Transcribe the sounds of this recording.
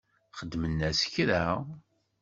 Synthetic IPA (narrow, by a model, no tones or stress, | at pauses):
χəd̪ːmənːæsə̥çɾæ